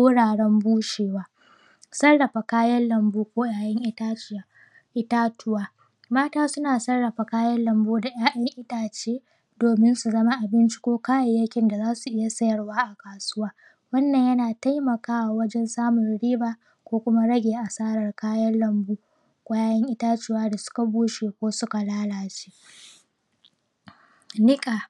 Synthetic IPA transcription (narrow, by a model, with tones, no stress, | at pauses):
oː˦ɽaː˨ɽɛ˦mbuː˦ʃeː˨waː˦ | sɐ˦rːɐ˨ɸa˨kaː˦jɐ˦nlɐ˨mbuː˦kʷoː˦jaː˨jɐ˦ŋʔɪ˦a˦ | ʔɪ˦taː˦tʊ˦waː˦ | maː˦taː˦sʊ˦naː˨sɐ˦rːɐ˨ɸa˨kaː˦jɐ˦nlɐ˨mbuː˦da˨jaː˦ɗɐ˦ŋʔɪ˦taː˨t͡ʃeː˦ | doː˨mɪ˦nsu˨zɐ˦ma˦ʔa˨bɪ˦nt͡ʃi̥˦kʷoː˦kaː˦ja˨jɐ˦kʲɪ˨nda˨zaː˦su˨ʔɪ˦ja˨sɐ˦jɐ˨rwaː˦ʔa˨kaː˨sʊ˦waː˦ | wɐ˦nːɐ˨ɲjɐ˦naː˨ta˦jmɐ˨kaː˦wa˨wɐ˦d͡ʒɛ˦nsaː˦mʊ˨nɽiː˦baː˦ | kʷoː˦kʷʊ˦ma˦ɽɐ˦ɡʲeː˨ʔa˨saː˦ɽɐ˨rkaː˦jɐ˦nlɐ˨mbuː˦ | kʷʼa˦jaː˦jɐ˦ŋʔɪ˦taː˦t͡ʃɪ˦waː˦da˨sʊ̥˦ka˨buː˦ʃeː˨kʷoː˦sʊ˦ka˨laː˦laː˨t͡ʃeː˦ | nɪ˦kʼa˨